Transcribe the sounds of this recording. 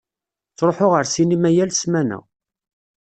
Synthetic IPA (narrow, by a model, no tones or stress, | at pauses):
t͡sːɾˤoħoʁəɾsinimæjælsmænæ̰